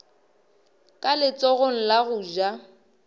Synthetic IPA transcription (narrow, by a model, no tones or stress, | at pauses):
kʼalɪt͡sʼɔɣoŋ̩laɣʊd͡ʒa